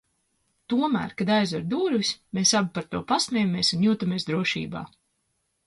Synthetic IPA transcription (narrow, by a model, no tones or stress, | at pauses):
t̪uɔmæ̰ːɾkad̪ajzɔaɾd̪uːɾvisʲmeːsabipaɾt̪uɔpasmʲɛjameɛːsunjuːt̪ameɛsd̪ɾuɔʃḭːba̰ː